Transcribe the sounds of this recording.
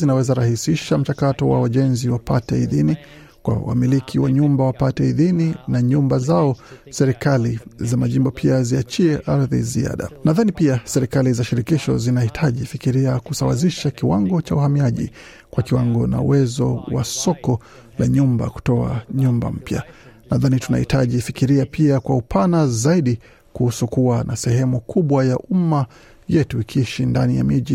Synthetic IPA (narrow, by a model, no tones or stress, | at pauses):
zinawɛzaɾahisiʃam̩t͡ʃakatɔwawaʄɛnziwapatɛiðini | kwa̰wa̰milikʰiwaɲumbawapatɛiðininaɲumbazaɔsɛɾikalizamaʄimbɔpʰiaziat͡ʃiɛʔaɾðḭzia̰ɗa̰naðanipiasɛɾikalizaʃiɾikiʃɔzinahitʰaʄifikiɾiakusawa̰ziʃakiwaŋɡɔt͡ʃauhamiaʄḭ | kwakiwaŋɡɔna̰ṵwɛzɔ̰wa̰sɔkɔ | laɲumba̰ku̥tɔa̰ɲumba̰m̩pja̰naðanituna̰hitaʄifikiɾiapʰiakwaupʰanazaiɗi | kuhusukuwanasɛhɛmukʰuɓwajaʔuma | jɛtuikiʃindanija̰miʄi